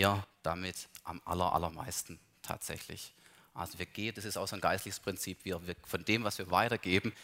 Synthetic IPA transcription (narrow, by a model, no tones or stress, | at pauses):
ɐd̥amɪtʔamʔa̰lɐʔa̰lɐma̰ɪstn̩ | tʰa̰ːtz̥ɛ̰çlɪ̰ç | ʔa̰lzoviːɐɡ̥eːnd̥asɪstaʊsoːnɡ̥aɪstlɪçəspʁ̥ɪnt͡siːpv̥iːɐviːɐfɔndeːmvasviːɐvaɪtɐɡ̥eːbm̩